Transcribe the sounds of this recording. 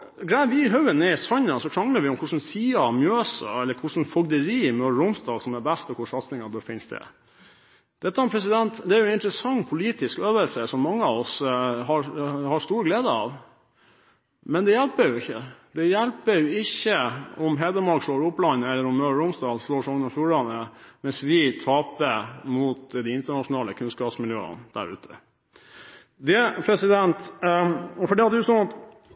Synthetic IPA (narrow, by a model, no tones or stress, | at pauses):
ɡɾæɪəʋɪɦœʉənɛɪsɔɲːɑsɔkʰɾɑŋləɾʋɪʊmkʰʊʂn̩siːɑmjøːsə̰ɛlːəɾkʰʊʂn̩fɔɡd̪əɾiːɪmøːɾʊmst̪ɑːlsɔmɛbɛst̪ɔkʰʊʂɑt̪snɪŋɑd̪ɔfɪnsd̪ɛ̰ | d̪̥ɛt̪ːəmpʰɾɛs̬ɪd̪ɛnt̪d̪ɛæɾjʊnɪnt̪ɾəsɑŋːpʰʊliːt̪ɪskøːʋəlsəsɔmːɑŋːəɑʋɔsɦɑɾhɑʂt̪uːɾɡleːd̪əɑ̰ʋ | mɛnd̪ɛjælpəɾjʊɪçːəd̪ɛjælpəjʊɪçːəʔɔmɦɛːd̪əmɑɾkʂloːɾʊplɑnːəɛlːəɾɔmːøːɾʊmsd̪ɑːlsloːʂɑŋːənɑfjuːɾɑnəmɛnsʋɪt̪ʰɑːpəmʊt̪d̪ɛɪɪnt̪əɳɑʂʊnɑːləkʰʉnskɑːpsmɪljø̰ːə̰nd̪̥æ̰ɾʉ̰ːt̪ʰə̰ | d̪ɛpʰɾɛsɪd̪ɛnt̪ | fɔɖɛɑt̪̚d̪ʉsɔnɑt̪